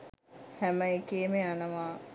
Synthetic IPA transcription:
hæməekeːmeanəʋaː

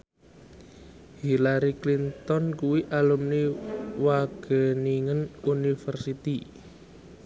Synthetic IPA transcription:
hilaɾiklint̪ɔnkuwiʔalumniwaɡ̥ə̤niŋənunifərsit̪i

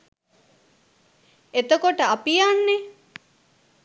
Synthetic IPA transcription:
et̪okoʈəapijanːe

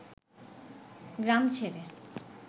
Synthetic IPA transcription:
ɡɾamt͡ɕʰeɾe

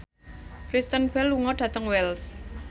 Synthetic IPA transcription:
kɾist̪ənbɛlːuŋɔɖ̥ä̤t̪əŋwɛls

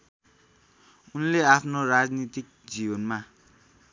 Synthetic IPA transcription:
unleapʰnorad͡znit̪ik̚d͡zibʌnma

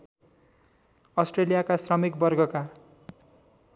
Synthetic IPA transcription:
ʌsʈrelijakasrʌmik̚bʌrɡʱʌka

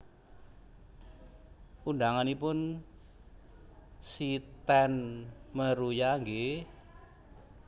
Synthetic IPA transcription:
undaŋanipʊn | sit̪ɛnməɾujaŋɡe

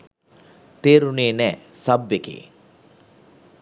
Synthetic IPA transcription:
t̪eːɾuneːnɛːsɐbːekḛː

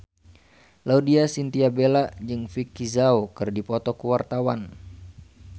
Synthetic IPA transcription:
laudiasint̪iabelad͡ʒɨŋfikizaokɨrdipɔt̪ɔkuwart̪awan

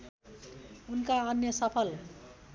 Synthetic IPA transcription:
unkaʌnjʌsʌpʰʌl

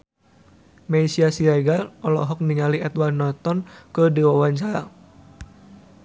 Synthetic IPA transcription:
maisiasiɾaɡalɔlɔ̰ɦɔk̚niŋaliɛt̪warnɔt̪ɔnkədiwawaɲt͡ʃaɾa

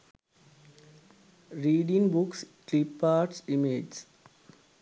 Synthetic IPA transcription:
ɾiːɖĩŋbʊksklipːaːʈsimeːd͡ʒs

